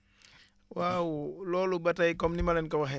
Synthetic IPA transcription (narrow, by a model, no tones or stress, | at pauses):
wawlɔlubatajkɔmnimalɛnkawaɦɛ